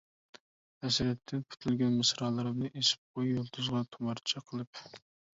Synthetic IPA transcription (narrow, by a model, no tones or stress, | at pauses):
ɛsɾɛt̪ʰːɪnkʰy̥t̪ʰylɡʲɛnmɨsɾɑːlˠɨɾɨmnɨʔesɪ̥p̚qʰojjolˠt̪ʰuzʁɑt̪ʰumɑɾt͡ʃʰɛqʰəlˠɨp